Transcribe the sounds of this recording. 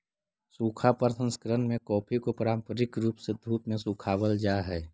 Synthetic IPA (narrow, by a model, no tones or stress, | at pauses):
suːkʰapəɾsə̃nskəɾənmẽkɔːpʰikopɾaːmpəɾɪkɾuːpsed̪ʱuːpmẽsuːkʰaːwəld͡ʒaːɦɛː